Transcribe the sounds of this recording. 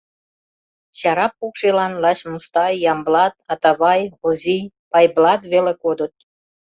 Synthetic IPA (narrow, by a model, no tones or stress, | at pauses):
t͡ɕɑɾɑpukʃelɑnlɑɕmust̪ɑjːɑmblɑt̪ɑt̪ɑβɑjozʲi | pɑjblɑt̪βelekod̪ət̪̚